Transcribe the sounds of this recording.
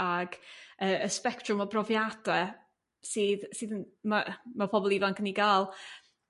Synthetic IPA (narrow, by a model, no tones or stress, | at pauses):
aɡəəspɛktʰrʊmɔbrɔvjadɛ | siːðsɨːðənmamapʰɔbɔlˠivankʰəniɡaːlˠ